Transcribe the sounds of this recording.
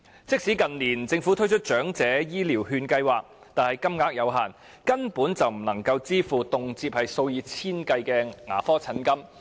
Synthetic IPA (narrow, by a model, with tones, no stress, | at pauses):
t͡sɪ˥k̚siː˨˥kɐ˨nliː˨˩nt͡sɪ˧ŋfuː˨˥t̪ʰɵ˥ɥjt͡ʃʰɵ˥t̚t͡ʃœː˨˥ŋt͡sɛː˨˥jiː˥liː˨˩wɦyː˧nkɐ˧jwaː˨k̚ | t̪aː˨nhɐ˨jkɐ˥mŋaː˧˥k̚jɐ˨˧wɦaː˨˩n | kɐ˥npuː˨˥nt͡sɐ˨wm̩˨˩nɐ˨˩ŋkɐ˧wt͡siː˥fuː˨˩t̪ʊ˨ŋt͡siː˧p̚hɐ˨jso˧wjiː˨˧t͡sʰiː˥nkɐ˧jkɛː˧ŋa̰ː˨˩fɔː˥t͡sʰɐ˨˥nkɐ˥m